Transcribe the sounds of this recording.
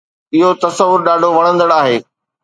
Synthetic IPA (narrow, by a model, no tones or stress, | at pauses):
ɪɦot̪ɐsəʋʊɾɗaːɖʱoʋɐɽ̃ə̃nd̪əɽaːɦeː